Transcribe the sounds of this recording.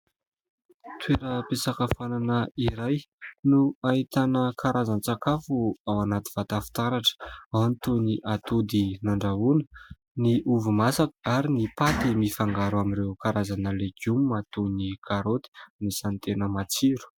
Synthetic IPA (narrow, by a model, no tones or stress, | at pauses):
t̪ʰweɾəpesakəfananəiɾajnuaɦit̪anəkʰaɾʔazant͡sakafuawanat̪i̥v̥at̪afi̥t̪aɾaʈ͡ʂə̥awnit̪uniʔat̪ud̪inaɳɖ͡ʐaunə̥ | niʔuvumasakəaɾinipat̪imifaŋɡaɾuamiɾewkaɾazanəleɡumːat̪unikʰaɾot̪i̥nisant̪enəmat͡siɾu̥